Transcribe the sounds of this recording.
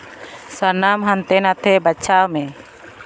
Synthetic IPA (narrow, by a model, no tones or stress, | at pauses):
saɾnamɦant̪ɛnat̪ʰɛbat͡ʃʰamɛ